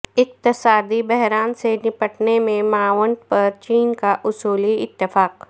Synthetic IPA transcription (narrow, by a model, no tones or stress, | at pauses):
ɪq̚t̪ɪsaːd̪ibɛɦɾaːnsenɪpəʈnemẽmaːwəɳʈ̪pɐɾt͡ʃiːnkaʔʊsuːliɪt̪ːɪfaːk